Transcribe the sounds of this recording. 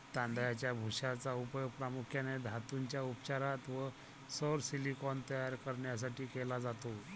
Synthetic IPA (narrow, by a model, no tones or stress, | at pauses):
t̪ãnd̪jat͡ɕjabʱuɕat͡saupjoɡ̚pɾamukʰjaned̪ʱat̪uɲt͡ɕjaupt͡ɕaɾat̪ʋə | səɾsilikɔnt̪əjaɾkəɾɳjas̬aʈiːkɛlad͡zat̪o